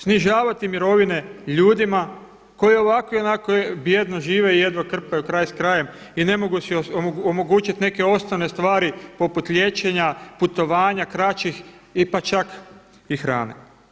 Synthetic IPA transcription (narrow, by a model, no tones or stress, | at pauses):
sniʒaːʋat̪imiɾo̞ʋine̞ʎuːd̪ima | ko̞jio̞ʋako̞ionakobje̞d̪noʒiːʋe̞ije̞d̪ʋokr̩pajukɾajskɾajem | ine̞mo̞ɡusioomo̞ɡut͡ʃit̪ne̞ke̞o̞st̪oʋne̞st̪ʋaːɾipo̞put̪ʎʲje̞t͡ʃe̞ɲaput̪o̞ʋaːɲakɾat͡ʃixipat͡ʃak | ixɾa̰ːnḛ